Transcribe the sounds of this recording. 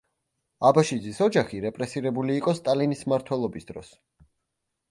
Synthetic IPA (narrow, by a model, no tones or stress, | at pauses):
abaʃid̪zisɔd͡ʒaχiɾɛpʼɾɛsiɾɛbuliːqʼɔst̪ʼalinismaɾt̪ʰwɛlˠɔbisd̪ɾɔ̰s